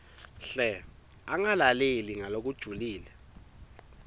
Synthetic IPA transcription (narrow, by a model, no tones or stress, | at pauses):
ɬɛ | aŋalaleliŋalok̬ud̥ʒ̥ʱuliːlɛ